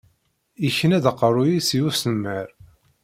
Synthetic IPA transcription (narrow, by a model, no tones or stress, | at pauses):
içənæðəqːərˤujisijusəmːəɾ